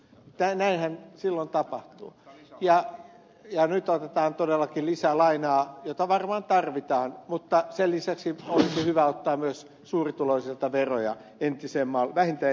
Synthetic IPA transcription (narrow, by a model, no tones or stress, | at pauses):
t̪ænæinhænsilːont̪ɑpɑht̪ṵːjɑ | jɑnyt̪ot̪et̪ɑːnt̪odelːɑkilisælɑinɑːjot̪ɑʋɑrmɑːnt̪ɑrʋit̪ɑːnmut̪ːɑsellisæksiolisihyʋæot̪ːɑːmmyøs | suːrit̪uloisilt̪ɑʋerojɑ̰ | ent̪isemːɑlʋæhint̪æ